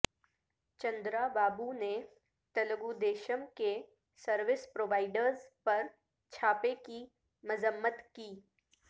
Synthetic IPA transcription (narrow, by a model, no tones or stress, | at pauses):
t͡ʃɐ̃nd̪ɾabaːbune | t̪ɐləɡud̪eːʃəmke | səɾʋɪspɾoːʋaːɪɖəɾzpɐɾ | t͡ʃʰaːpeki | mɐzəmːət̪kiː